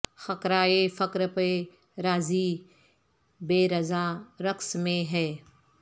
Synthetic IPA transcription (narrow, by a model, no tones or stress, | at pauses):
xɐkɾaːefɐkɾpe | ɾaːziː | beːɾɐzaːɾɐksmẽɦɛː